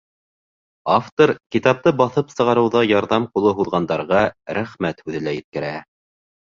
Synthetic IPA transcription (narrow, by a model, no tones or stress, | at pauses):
aft̪oɾkit̪ɑp̚t̪ɤbɑθɤpsɤ̆ʁɑɾɤ̆wðɑjɑɾðɑmqulˠɤɦuðʁɑnd̪ɑɾʁɑɾæχmæt̪hʉðɘ̆læjɘ̆t̪̚kɘ̆ɾæ